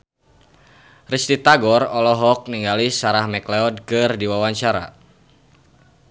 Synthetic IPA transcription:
rist̪it̪aɡɔrɔlɔɦɔk̚niŋɡalisaɾahmɛklɛɔd̚kɨrdiwawaɲt͡ʃaɾa̰

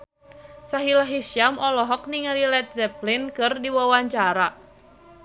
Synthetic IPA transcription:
saɦilaɦisiamʔɔlɔɦɔk̚niŋaɾilɛt̪̚zɛplinkɨrdiwawaɲt͡ʃaɾa

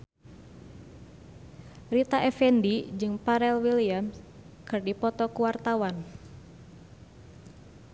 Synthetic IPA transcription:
rit̪aʔɛfɛndid͡ʒɨŋpaɾɛlwiliams | kɨrdipɔt̪ɔkuwart̪awan

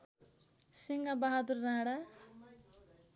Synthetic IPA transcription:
siŋɡabaɦad̪uɾːaːɽa

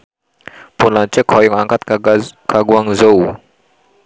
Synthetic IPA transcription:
ponlat͡ʃəkʰɔjɔŋaŋkat̪̚kʰaɡwaŋzow

